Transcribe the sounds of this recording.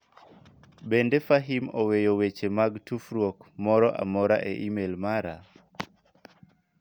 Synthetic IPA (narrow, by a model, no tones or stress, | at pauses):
bendefaɦimowejowet͡ʃemaɡtufɾwokmɔɾɔʔa̰mɔɾa̰ʔḛʔimelmaɾa